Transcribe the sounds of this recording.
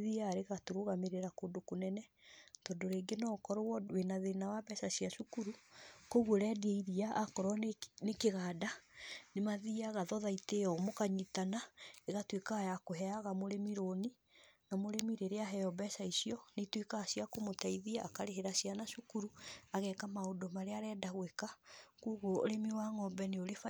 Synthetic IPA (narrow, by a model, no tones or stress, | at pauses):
ðiaːɾeɣatoɾoɣameɾeɾakodokonɛnɛtɔdoɾeːŋɡenɔkɔɾowɔwenaðenawabɛsasiaʃukuɾukoɣwoɾɛdieiɾiaʔakɔɾɔnekeɣaːdanemaðiaɣaðɔðaiteɔmokaɲitanaeɣatwekajakoɦɛaɣamoɾemiɾoni | namoɾemiɾeɾeaɦɛɔbɛsaisiɔnetwekaːsiakomotaiðiakaɾeɦeɾasijanaʃukuɾuaɣɛkamaodomaɾeaɾɛːdaɣwekakuːɣoo̰ɾemiwaŋɔbɛneoɾef